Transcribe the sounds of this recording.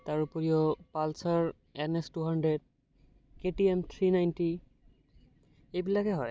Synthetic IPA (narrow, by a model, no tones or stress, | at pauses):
taɹupɔɹijɔpalsaɹ | ɛnɛstuɦandɹed̚ | keʈiemt̪ʰɹinajnti | ejbilakɛɦɔj